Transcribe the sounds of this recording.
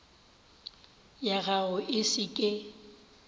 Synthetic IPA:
jaɣaʊʔɪsɪkʼɪ

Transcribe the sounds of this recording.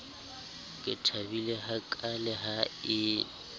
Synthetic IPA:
kʼɪtʰabilɛhakʼalɛɦaɪ

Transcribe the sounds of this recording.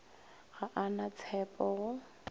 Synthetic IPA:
ɣaʔanat͡sʰɛpʼɔɣʊ

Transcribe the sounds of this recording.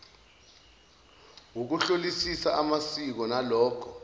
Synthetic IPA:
wuk̬uɬolisisaʔamasik̬ɔnalɔːkʰɔ

